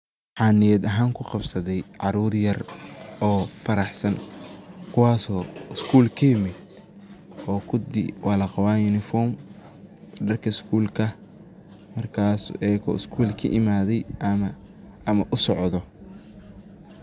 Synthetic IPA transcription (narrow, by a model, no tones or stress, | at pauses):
ħɑːnɪjɐd̪ɐɦaːŋkʰʊqɑbsɐðɛjʕɑɾuːɾjɐrɔːfɐɾɑħsɐnkʰʊwɑːsɔːɪskʰuːlkʰɐjɪmɪd̪ | ɔːkʰʊd̪ɪ̰wɑːlɐqɑwaːjʊnɪfɔːrm | ɖɐrkʰɐɪskʰuːlkʰɐ | mɐrkʰaːsʔɛːkʰɔ̰ːɪskʰuːlkʰɐ̰ʔɪmaːðɛjm | ɐmɐʔʊsɔʕðɔ